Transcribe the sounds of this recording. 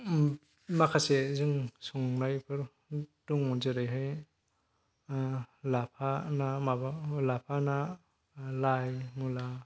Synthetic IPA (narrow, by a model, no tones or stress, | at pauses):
makʰasezɯŋsɔŋnajpʰɯɾ | duŋmɔnzɯɾɯjɦɯj | lapʰanamabalapʰana | lajmula